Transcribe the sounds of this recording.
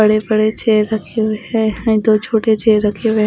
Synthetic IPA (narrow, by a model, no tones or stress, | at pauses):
əɽebəɽet͡ʃeːɾəkʰeʋeɛ̃ɛ̃d̪oːt͡ʃʰoːʈet͡ʃeːɾəkʰeʋe